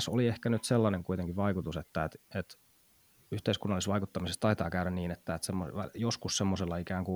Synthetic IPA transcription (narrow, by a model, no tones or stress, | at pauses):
soliehkænyt̪selːɑneŋkuit̪eŋkiʋʋɑikut̪uset̪ːæet̪et̪ | yht̪eiskunːɑlːˑisʋɑikut̪ːɑmisest̪ɑit̪ɑːkæyɾænniːnet̪ːæet̪semːoʋæ̰joskussemːoselːɑikæːŋku